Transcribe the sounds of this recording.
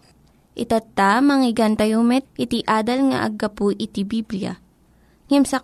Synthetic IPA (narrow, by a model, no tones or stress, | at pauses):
ʔɪt̪ɐt̪ːamɐŋɪɡɐnt̪ɐjumɛt̪̚ʔɪt̪iʔaːd̪ɐlŋa̰ʔɐ̰ɡɐpuʔɪt̪ibiblɪja̰ | ŋimsɐ